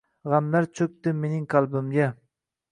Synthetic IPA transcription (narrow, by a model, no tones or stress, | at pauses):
ʁamlaɾt͡ʃʰɵk̚ʲt̪ɪmenɪŋkʰalˠbɪmɡʲa